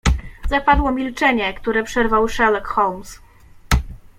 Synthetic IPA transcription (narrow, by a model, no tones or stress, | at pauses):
zapad̪wɔmʲilt͡ʂɛɲɛkt̪uɾɛpʂɛɾvawʂɛlɛkxɔwms